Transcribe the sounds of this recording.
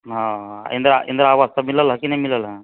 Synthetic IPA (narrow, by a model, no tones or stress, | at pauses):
ɦaḭnd̪ɾ̰ʔḭnd̪ɐɾeaːʋast̪ɐmilːɐlːɦakinemilːɐlɐ